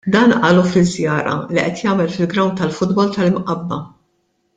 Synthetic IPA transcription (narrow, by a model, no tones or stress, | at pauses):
d̪ɐːnʔɐːlufɪzːjɐːɾɐ̰liʔɛt̪jɐːmɛlfɪlɡɾɐwnt̪ɐlfʊd̪bɔlt̪ɐlmʔɐbːɐ̰